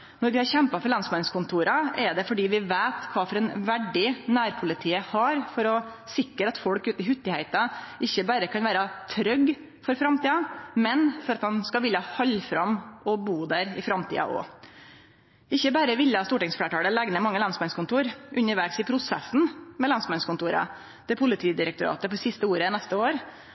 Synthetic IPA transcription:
nɔɾʋɪhɑɾçɛmpɑfɔɾɭɑnsmɑnskʊnt̪ʰuːɾɑɛɖ̪ɛfɔɖiːʋɪʋeːt̪kʰʋɑːfɔɾɛnʋæɖɪnæːɾpʰʊlɪt̪ʰiːəhɑɾfɔɾɔsɪkːəɾɑt̪fɔlkʉːt̪ɪɦʉt̪ːɪhæɪt̪ɑʔɪçːəbæːɾəkʰɑnʋæːɾɑt̪ʰɾœɡ | fɔɾfɾɑmt̪iːɑmɛnfɔɾɑt̪ɑnskɑʋɪlɑhɑlːfɾɑmɔbuːd̪æːɾɪ̰fɾɑmt̪ʰḭːɑ̰ʔɔ̰ | ɪçːəbæːɾəʋɪlːɑst̪uːʈɪŋsfleːʈʰɑːɽəlɛɡnəmɑŋːəlɑnsmɑnskʊnt̪ʰuːɾʔʉnːəɾʋæɾksɪpʰɾʊsɛsn̩mɛlɑnsmɛnskʊnt̪uːɾɑ̰ | d̪̥ɛpʰʊlɪt̪ʰiːd̪ɪɾəkt̪ʊɾɑ̰ːt̪əpɔsɪst̪əuːɾənɛst̪əoːɾ

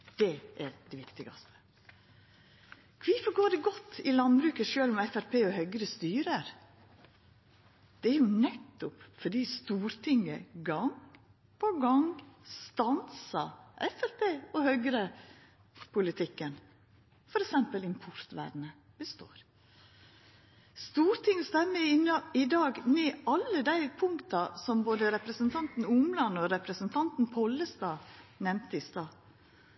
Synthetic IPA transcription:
d̪̥ɛʔæɾd̪ɛʋɪkt̪ɪɡɑ̰st̪ə̥ | kʰʋɪfɔɡoːɖɛɡɔt̪ːɪlɑnbɾʉːkəʂøːlɔmɛfæɾpʰeːɔhœʏɡɾəst̪yːɾəɾ | d̪̥ɛæɾjʊnɛt̪ːʊpfɔɖiːst̪uːɾt̪ʰɪŋːəɡɑŋ | pʰɔɡɑŋst̪ɑnsɑʔɛfæɾpʰeːɔhœʏɡɾə | pʰʊlɪt̪ʰɪkːən | fɔɾɛksɛmpəlɪmpʰʊɾt̪ʋæ̰ːd̪nə | b̥əst̪o̰ːɾ | st̪uːɾt̪ʰɪŋːəst̪ɛmːəɪnɑɪd̪ɑːɡneːʔɑlːəd̪æɪpʰʊŋkt̪ɑsɔmboːd̪əɾɛpɾəsənt̪ʰɑnt̪n̩ʊmlɑnɔɾɛpɾəsənt̪ʰɑnt̪n̩pʰɔlːəst̪ɑːnɛmt̪əɪst̪ɑː

